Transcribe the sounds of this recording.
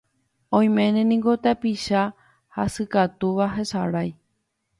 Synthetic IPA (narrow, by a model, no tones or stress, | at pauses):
õ̞j̃mẽ̞nẽnĩŋɡo̞t̪epiʃa | hasɨkat̪uʋaɦesaɾaj